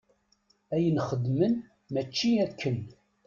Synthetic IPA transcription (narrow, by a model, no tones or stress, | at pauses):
æjənχəd̪mən | mæt͡ʃːiækːən